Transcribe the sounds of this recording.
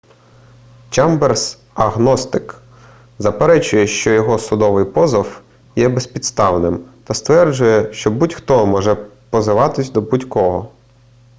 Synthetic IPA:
t͡ʃɑmbers | ɐɣnɔst̪ɪk | zɐpeɾɛt͡ʃʊjɛʃt͡ʃɔjɔɦɔsʊd̪ɔʋɪjpɔzɐw | jɛbesʲpʲit̪st̪ɑwnɪmt̪ɐst̪ʋɛrd͡ʒʊjɛʃt͡ʃɔbutʲxt̪ɔmɔʒɛpɔzɪʋɑt̪ɪsʲd̪ɔbutʲkɔɦɔ

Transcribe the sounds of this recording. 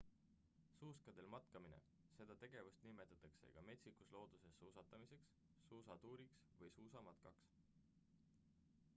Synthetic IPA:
suːskɑd̪̥e̞lmɑt̪kɑminḛ | se̞d̪̥ɑt̪e̞ɡ̥e̞vust̪nime̞t̪ːˑɑt̪ːˑɑkse̞̰ɡ̥ɑme̞t̪sikuslo̞ːd̪̥use̞sːuːsɑt̪ːˑɑmise̞ksː | uːsɑt̪uːɾiksvɤjsuːsɑmɑt̪kɑks

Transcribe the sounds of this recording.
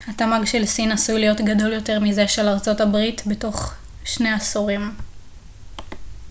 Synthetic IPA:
hatamaɡʃelsinasujlijo̞tɡado̞ljo̞te̞ʁmize̞ʃelaʁt͡so̞tabʁitbeto̞χ | ʃne̞asuʁim

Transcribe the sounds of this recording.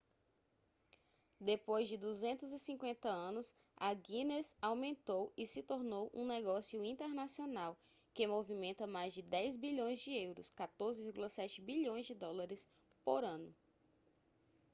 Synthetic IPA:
d̪epojzd͡ʒɪd̪uzẽnt̪ʊzɪsĩkwẽnt̪ɐɐ̃nʊs | aɡĩnesawmẽnt̪owɪsɪt̪oɾnowʔũnɛɡɔsijʊĩnt̪eɾnasionaw | kɪmovimẽnt̪ɐmajzd͡ʒɪd̪ɛjzbiʎõj̃zd͡ʒɪewɾʊ̰skat̪oɾzɪviɾɡulɐsɛt͡ʃɪbiʎõj̃zd͡ʒɪd̪ɔlaɾɪs | poɾɐ̃nʊ

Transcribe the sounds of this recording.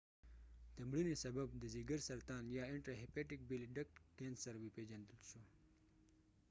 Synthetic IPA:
t̪amɽinisɐbab̚d̪əziɡəɾsɐɾt̪ɑːnjɑɪɳʈɾaɦepeʈik̚beliɖak̚ʈkensɐɾwiped͡ʒand̪əlʃu

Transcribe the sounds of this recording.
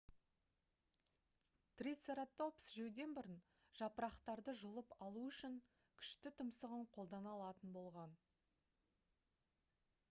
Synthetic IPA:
t̪rit̪seɾat̪o̞psʒɵwd̪e̞nbʊɾən | ʒ̥ɑpəɾɑqt̪ɑɾd̪əʒʊlˠəpɑlˠuʏʃɪŋ | kʲʰʏ̥ʃt̪ɪt̪ʰʊmsəʁəɴqʰo̞lˠd̪ɑnɑlˠɑt̪ənbo̞lˠʁɑn

